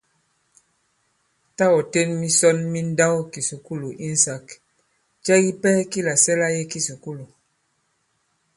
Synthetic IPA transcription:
ta˦wɔ˨te˦nmi˦sɔ˦nmi˦n˦da˦wki˨su˨ku˦lu˨ʔi˦n̩˨sa˨k | t͡ʃɛ˦ɣi˦pɛ˦ki˦la˨sɛ˦la˦je˦ki˦su˨ku˦lu˨

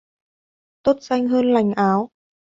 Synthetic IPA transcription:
t̪o˦˥t̚za˧jŋ̟ɦəː˧nla˨˩jŋ̟ʔaː˨˦w

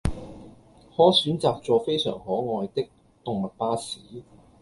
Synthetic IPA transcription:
hɔː˨˥syː˨˥nt͡saː˨˧k̚t͡sɔː˧fe˥jsœ̰ː˨˩ŋhɔː˨˥ŋɔː˨˧jt̪ɪ˥k̚ | t̪ʊ˨ŋmɐ˨t̚paː˥siː˨˥

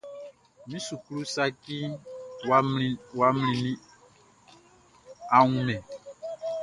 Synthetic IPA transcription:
mĩ˦su˨klu˦sa˦ki˦ | wa˦mlĩ˨nĩ˦ | a˨ŋũ˦mɛ̃˨

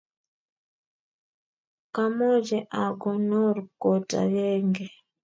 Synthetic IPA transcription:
ka˦mɔ˦d͡ʒɛ˨ʔa˨ɡɔ˨nɔ˦ɾkɔ˨ta̰˨jɛ˦ŋɡɛ˨

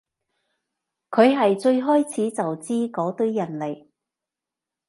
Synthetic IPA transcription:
kʰɵ˨˧ɥɦɐ˨jt͡ʃɵ˧ɥɦɔː˥jt͡sʰiː˨˥t͡sɐ˨wt͡siː˥kɔː˨˥t̪ɵ˥ɥjɐ˨˩nle˨˩j

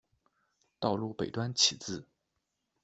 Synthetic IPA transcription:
t̪ɑ˥˧ʊlu˥˩pe˨˩ɪt̪wa˥nt͡ɕʰi˨˩t͡sɹ̩˥˩

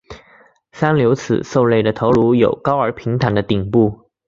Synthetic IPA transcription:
sa˥nljo˧˥ʊt͡sʰɹ̩̰˨˩so˥˧ʊle˥˩ɪd̪ə˩t̪ʰo˧˥ʊlu˧˥jo˨˩ʊkɑ˥ʊə˞˧˥pʰi˧˥ŋt̪ʰa˧˥nd̪ə˧t̪i˨˩ŋpu˥˩

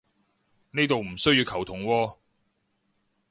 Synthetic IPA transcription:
neː˥t̪o˨wm̩˨˩sɵ˥ɥjiː˧wkʰɐ˨˩wt̪ʰʊ˨˩ŋwɔː˧

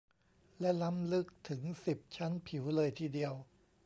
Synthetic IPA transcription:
lɛ˦˥la˦˥mlɯ˦˥k̚t̪ʰɯ˩˦ŋsi˨˩p̚t͡ɕʰa˦˥npʰi˩˦wlɤː˧jt̪ʰiː˧˩di˧əw

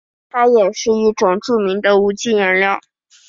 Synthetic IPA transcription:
t̪ʰa˥jɛ˨˩ʂɻ̩˥˧i˥˩ʈ͡ʂʊ˨˩ŋʈ͡ʂu˥˩mi˧˥ŋd̪ə˧u˧˥t͡ɕi˥˩nə˧˥ljɑ˥˩ʊ

